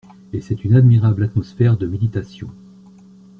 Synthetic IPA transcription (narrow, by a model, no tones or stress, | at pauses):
esɛt̪ynad̪miʁablat̪mɔsfɛʁd̪əmed̪it̪asjɔ̃